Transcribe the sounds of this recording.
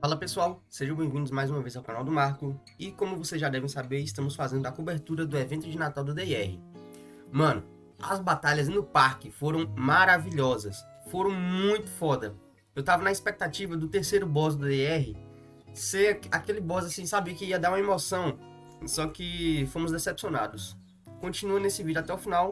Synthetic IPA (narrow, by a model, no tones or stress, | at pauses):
falɐpesuawseʒɐ̃bẽj̃vĩnd̪ʊzmajzũmɐvejzawkanawd̪ʊmaɾkʊ | ɪkõmʊvosezʒad̪ɛvẽj̃sabeɾɪst̪ɐ̃mʊsfazẽnd̪ʊɐkobeɾt̪uɾɐd̪ʊevẽnt̪ʊd͡ʒɪnat̪awd̪ʊd̪eɛhɪ̰ | mɐ̃nʊ | ɐ̰zbat̪aʎɐznʊpaɾkɪfoɾɐ̃w̃maɾaviʎɔzɐs | foɾɐ̃w̃mũj̃t̪ʊ̥fɔd̪ɐ | ewt̪avɐnɐispek̚t̪at͡ʃivɐd̪ʊt̪eɾsejɾʊbɔz̬d̪ʊd̪eɛɦɪ | seakelɪbɔzasĩsabikɪiɐd̪aɾũɐemosɐ̃w̃ | sɔkɪfõmʊzd̪esɛpsiona̰d̪ʊs | kõt͡ʃinuɐnesɪvid͡ʒʊat̪ɛʊfinaw